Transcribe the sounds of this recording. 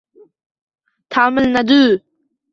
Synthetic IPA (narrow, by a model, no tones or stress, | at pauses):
t̪ʰaːmɪlnad̪uː